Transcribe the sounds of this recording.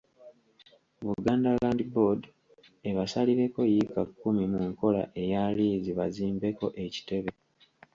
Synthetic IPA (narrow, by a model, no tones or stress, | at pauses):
βuɡaːndalaːndibod | eβasaliɾe̞ko̞jikakːumimuŋko̞la̰ʔe̞jaliːziβa̰ziːmbe̞ko̞ʔe̞ci̥te̞βe̞